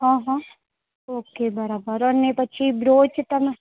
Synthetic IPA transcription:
ɦãːɦɔ̃ | oːkeːbɐɾabəɾɔɾnepɐːt͡ʃʰibɾoːt͡ʃt̪ɐm

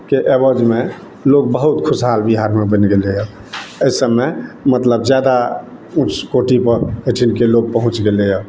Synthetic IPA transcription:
keʔebəd͡ʒme | loɡ̚bəɦut̪kʰʊsɦalbiɦaɾmebənɡelejə | əɪsəmːemət̪ləbd͡ʒjad̪a | ut͡ʃʰkoʈipəɾəʈʰinkeloɡ̚pəɦũt͡ʃɡelejə

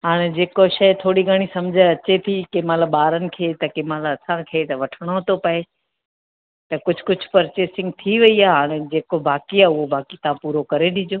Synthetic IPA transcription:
ɦaːɽ̃ed͡ʑeːkoʃɐjt̪ʰoːɽiɡʱəɽ̃isɐmd͡ʑʱəɐt͡ɕet̪ʰikemalaɓaːɾənɪ̆kʰeːt̪ɐkemaːlaɐsãkʰeːt̪ɐʋɐʈʰəɽ̃ot̪opɐe | t̪ɐkʊd͡ʑʱʊ̥kʊd͡ʑʱʊ̥pɐɾt͡ɕeːsɪ̃ŋɡ̚t̪ʰiʋɐiaːɦaːɽ̃ed͡ʑeːkobaːkiaːʊɦobaːkit̪ɐãpuːɾokɐɾeɗɪd͡ʑoː

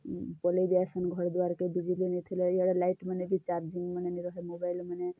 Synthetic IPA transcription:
pʌlebjasʌnɡʱʌɾd̪waɾkebid͡ʒilinit̪ʰileeɽalajʈmʌnebit͡ʃaɾd͡ʒiŋɡmʌneniɾʌɦemobajlmʌne

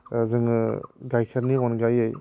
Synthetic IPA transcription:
zɯŋɯɡajkʰaɾniɔnɡajɯj

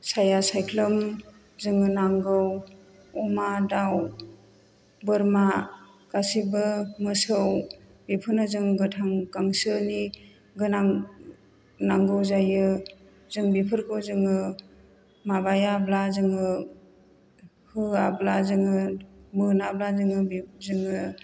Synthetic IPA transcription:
sajasajkʰlɯm | zɯŋɯnaŋɡɯw | ɔmadaw | bɯɾma | kasibɯmɯsɯw | bipʰɯɾnɯzɯŋɡɯtʰaŋkaŋsɯni | ɡɯnaŋ | naŋɡɯwzajɯ | zɯŋbipʰɯɾkʰɯwzɯŋɯ | mabajablazɯŋɯ | hɯablazɯŋɯmɯnablazɯŋɯbzɯŋɯ

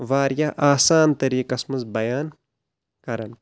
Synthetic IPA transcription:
ʋaːɾjaʔaːsaːnt̪ɐɾiːkɐsmɐzbɐjaːn | kɐɾɐn

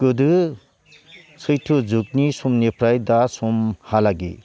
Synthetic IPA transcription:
kɯdɯ | sʰɯjtʰɯd͡ʒuk̚nisumnepʰɾajdasumhalaɡḭ

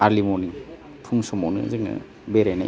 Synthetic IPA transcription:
alimɔniŋ | tʰuŋsɔmɔwnɯ̰zɯŋna̰ | beɾana̰

